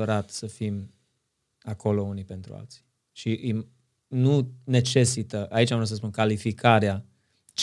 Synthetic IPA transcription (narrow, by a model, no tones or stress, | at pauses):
əɾat̪səfim | akʰo̞lo̞unipe̞nt̪ɾṵa̰lt̪si̥ | ʃiʔm | nune̞t͡ʃe̞sit̪əʔait͡ʃamvɾot̪səs̬punkalifikʰaɾea | t͡ʃ